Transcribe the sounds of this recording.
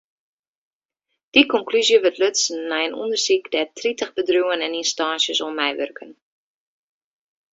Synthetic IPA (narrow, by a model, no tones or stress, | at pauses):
d̥ikɔŋklyzjəʋətløtsnːɛjənṵndərsikdɛtritəχbədruwənɛninstɑːnsjəsɔmɛjʋø̰rkʰən